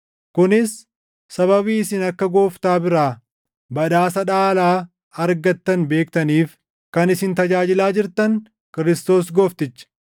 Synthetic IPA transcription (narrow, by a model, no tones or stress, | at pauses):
kʊnɪsː | ɐβɐβiːɪsɪnɐkːɐɡo̞ːft̪aːbɪɾaː | bɐᶑaːsɐᶑaːlaː | ɐɾɡɐt̪ːɐnbe̞ːkt̪ɐniːf | kɐnɪsɪnt̪ɐd͡ʒaːd͡ʒɪlaːd͡ʒɪɾt̪ɐn | kɪɾɪst̪o̞ːs̬ɡoːft̪ɪt͡ʃːɐ̥